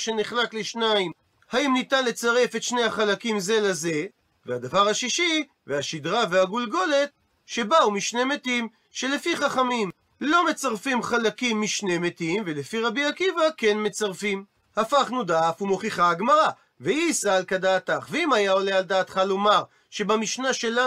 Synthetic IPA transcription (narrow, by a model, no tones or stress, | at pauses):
ʃe̞niχlakleʃnaim | haimnit̪anle̞t͡saʁe̞fe̞t̪ʃnehaχalakimze̞laze̞ | vead̪avaʁhaʃiʃi | veaʃid̪ʁaveaɡulɡo̞le̞t̪̚ | ʃe̞baumiʃne̞metim | ʃe̞lefiχaχamim | lo̞me̞t͡saʁfimχalakimːiʃne̞metimve̞lefiʁabiakivake̞nme̞t͡saʁfim | hafaχnud̪aːfumo̞χiχaaɡmaʁa | veiːsaːlkadaːt̪aχveimajao̞lealdaːt̪χalo̞maʁ | ʃe̞bamiʃnaʃe̞la